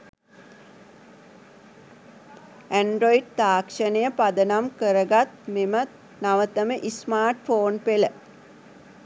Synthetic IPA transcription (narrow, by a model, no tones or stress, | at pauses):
æɳɖɾoiɖ̚t̪aːkʂənəjəpad̪ənamkəɾəɡat̪memət̪ | naʋət̪əməʔismaːrʈfoːnpelə